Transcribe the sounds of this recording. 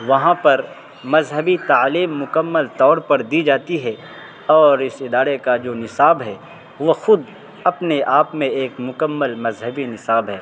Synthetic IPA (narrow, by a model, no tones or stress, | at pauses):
ʋɐɦãpɐɾ | mɐzɦəbit̪aːliːmːʊkəmːəlt̪ɔːɾpɐɾd̪id͡ʒaːt̪iɦɛ | ɔːɾɪsɪd̪aːɾekad͡ʒoːnɪsaːbɦɛ | ʋoxʊd̪ | ɐpneʔaːpmẽeːkmʊkəmːəlmɐzɦəbinɪsaːbɦɛː